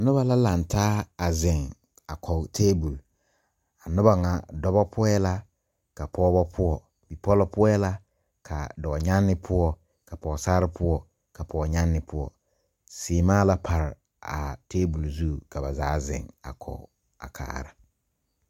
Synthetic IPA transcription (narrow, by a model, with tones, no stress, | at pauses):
a˨nʊ˦ba˨la˦la˨n˨tʰaː˦a˨zɪ˨ŋ | a˨kʰɔ˨tʰeː˦bu˨l | a˨nʊ˦ba˨ŋa˨dɔ˦bɔ˦pʰʊ˦ɛ˦la˦ | ka˨pʰɔː˦bɔ˦pʰʊ˦ɔ˨ | bi˨pɔ˦lɔ˦pʊ˦ɔ˦ɛ˦la˦ | kʰa̰˨dɔ˨ɲa˦nːɪ˦pʰʊ˦ɔ˨ | ka˨pɔ˨saː˦ɾɪ˦pʰʊ˦ɔ˦ | ka˨pʰɔː˨ɲa˦nːɪ˨pʰʊ˦ɔ̰˨ | sɪː˨maː˦la˦pʰa˨ɾɪ˨ | a̰˨teː˦bu˨lzu˦˨ka˨ba˨zaː˨˦zɪ̰˨ŋa̰˨kʰɔ̰˨ | a̰˨kʰa̰ː˨˦˨ɾa̰˨